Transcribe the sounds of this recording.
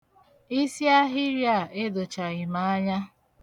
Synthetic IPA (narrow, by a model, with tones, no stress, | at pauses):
i˦si˦a˦ɦɪ˦ɾja˦˨e˦do˨t͡ʃa˨ɣɪ˨ma˨a˦ɲa˦